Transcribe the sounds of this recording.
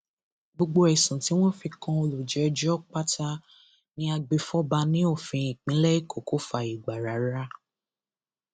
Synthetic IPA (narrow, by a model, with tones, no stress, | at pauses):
ɡ͡bo˧ɡ͡bo˧ɛ˨sũ˨ti˨˦w̃ɔ̃˦fi˧kã˧o˧lu˨d͡ʒɛ˨˦d͡ʒɔ˦k͡pa˦tʰa˧ | nĩ˦a˧ɡ͡be˧fɔ˦ba˧nĩ˦o˦˨fĩ˧ĩ˨k͡pĩ˨˦lɛ˦i˦˨ko˨ko˦fa˧i˨ɡ͡ba˨ɾa˨˦ɾa˦